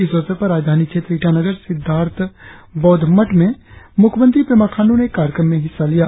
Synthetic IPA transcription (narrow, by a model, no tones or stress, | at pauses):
iɪsʋəsəpɐɾːaːd͡ʒd̪ʱaːnikt͡ʃʰeːt̪ɾiːʈanəɡəɾsɪd̪ʱːaːɾt̪ʰbɔːd̪ʱməʈmẽmʊkʰmə̃nt̪ɾipɾemaːkʰãːnɖõnekaːɾjəkɾəmːẽɦɪsːalijaː